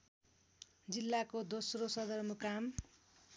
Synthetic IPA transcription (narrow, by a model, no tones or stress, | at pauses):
d͡zilːakod̪osrosʌd̪ʌrmʌkam